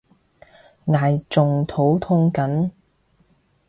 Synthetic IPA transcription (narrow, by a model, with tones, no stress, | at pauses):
ŋaː˨jt͡sʊ˨ŋt̪ʰo˨˥wt̪ʰʊ˥ŋkɐ˨˥n